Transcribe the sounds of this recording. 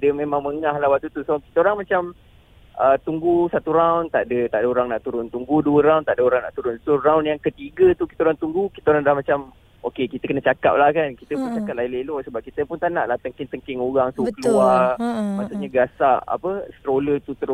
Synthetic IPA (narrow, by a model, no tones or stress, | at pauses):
dəmemãŋməŋahlahwak̚t̪ut̪usaki̥t̪əoɾaŋmat͡ʃam | ət̪uŋɡusat̪uɾaunt̪aʔdət̪aʔdəoɾaŋnaʔt̪uɾʊnt̪uŋɡuduəɾawnt̪aʔdəoɾaŋna̰ʔt̪uɾʊnsoɾawnjaŋkət̪iɡət̪ukit̪əoɾaŋt̪uŋɡukit̪əoɾaŋdahmat͡ʃam | okekit̪əkənət͡ʃaka̰p̚lahkankit̪əpʊnt͡ʃakap̪̚lailelɔsəbap̚kit̪əpʊnt̪anaʔlaht̪əŋkɪŋt̪əŋkɪŋoɣaŋsukəluarmasuɲəɡasaa̰pəst̪ɾolət̪ut̪əɾʊ